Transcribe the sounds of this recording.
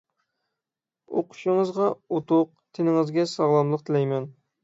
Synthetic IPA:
oqʰʊ̥ʃɪŋɨzʁɑot̪ʰʊq̚ | t̪ʰɪnɪŋɨzɡʲɛsɑʁlˠɑmlˠəq̚t̪ʰɪlɛjmɛn

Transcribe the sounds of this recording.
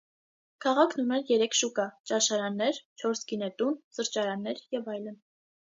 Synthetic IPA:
kʰɑʁɑkʰnunɛɾjɛɾɛkʰʃukɑt͡ʃɑʃɑɾɑnːɛɾt͡ʃʰɔɾsɡinɛt̪unsəɾt͡ʃɑɾɑnːɛɾjɛvɑjlən

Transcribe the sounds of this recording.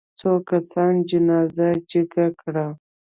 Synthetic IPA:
t͡sokasɑnd͡ʒɪnɑzad͡ʒəɡakɽa

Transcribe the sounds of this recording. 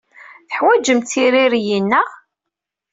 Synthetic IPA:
θə̥ħwæd͡ʒəmt̪iɾiɾjinːæʁ

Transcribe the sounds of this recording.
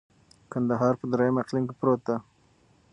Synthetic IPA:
kand̪aɦɑɾpəd̪ɾajamaqliŋkepɾot̪a

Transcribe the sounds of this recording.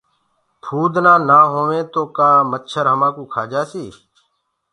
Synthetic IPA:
pʰuːd̪nãːnaːɦoːʋẽːt̪oːkaːmət̪ʃʰəɾɦəmãːkuːkʰaːd͡ʒaːsiː

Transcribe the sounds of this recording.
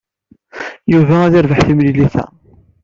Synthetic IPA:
juvææðɪɾvəħθimliliθæ̰

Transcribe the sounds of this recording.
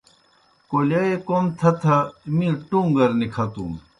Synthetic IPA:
kolɐekomt̪ʰɐt̪ʰɐmĩʈũŋɡɐɾnikʰɐt̪ṵm

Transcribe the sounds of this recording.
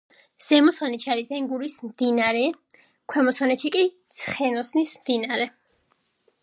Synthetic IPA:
z̥ɛmɔsɔnɛt̪ʃiaɾizɛŋɡuɾismd̪inaɾɛ | kʰwɛmɔsɔnɛt̪ʃikʼit̪sʰχɛnɔsnismd̪inaɾɛ

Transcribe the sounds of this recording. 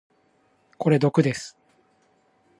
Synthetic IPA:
ko̞ɾe̞d̪o̞kɯ̟d̪e̞sɨ̥

